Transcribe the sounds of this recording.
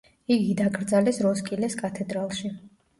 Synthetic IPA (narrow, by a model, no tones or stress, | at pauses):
iɡid̪akʰʼɾd̪zalɛsɾɔskʼilɛskʼat̪ʰɛd̪ɾalˠʃi